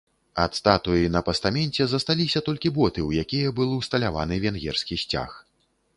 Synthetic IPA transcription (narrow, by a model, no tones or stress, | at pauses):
ɐt̪st̪at̪ujinɐpɐst̪amʲɛnʲt͡sʲɛzɐst̪alʲisʲɐt̪ɔlʲkʲibɔt̪ɨwjakʲijɐbɨlˠwst̪ɐlʲava̰nɨvʲɛnɣʲɛ̰rskʲisʲt͡sʲa̰x